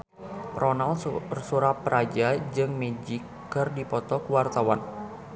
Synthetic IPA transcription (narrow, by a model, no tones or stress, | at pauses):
ɾɔnalsuɾapəɾad͡ʒad͡ʒɨŋmed͡ʒɪkːɨrdipɔt̪ɔkəwart̪awan